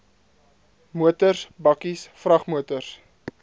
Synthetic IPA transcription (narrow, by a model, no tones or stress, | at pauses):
muətərsbɐkisfrɐχmuətərs